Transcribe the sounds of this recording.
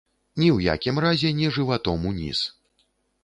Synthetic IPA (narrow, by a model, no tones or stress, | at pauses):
nʲiwja̰kʲimɾazʲɛnʲɛʐɨvat̪ɔmunʲḭs